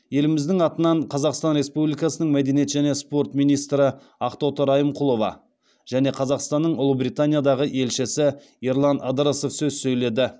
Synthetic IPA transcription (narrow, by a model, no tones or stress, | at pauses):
je̞lɪmɪzd̪ɪŋɑt̪ənɑɴqʰɑzɑqst̪ɑnɾe̞spublijkɑsənəɴmæd̪e̞niet̪ʒæne̞spo̞rt̪mijnijst̪ɾə | ɑqt̪ot̪əɾɑjəmqʰʊlˠo̞vɑ̰ | ʒ̥æne̞qʰɑzɑqst̪ɑnːəɴʊlˠəbɾijt̪anʲijad̪ɑʁəʔe̞lʃɪsɪ | iɾlˠɑnɑd̪ɾaso̞fsɵzsɵjle̞d̪ɪ